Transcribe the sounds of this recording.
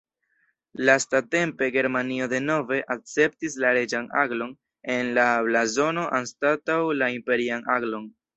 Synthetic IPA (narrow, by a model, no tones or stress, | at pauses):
lastate̞mpe̞ɡe̞ɾmanio̞de̞no̞ve̞ʔak̚t͡se̞p̚tislaɾe̞d͡ʒana̰ɡlo̞n | e̞nlablazo̞no̞ʔanstatawlaimpe̞ɾianaɡlo̞n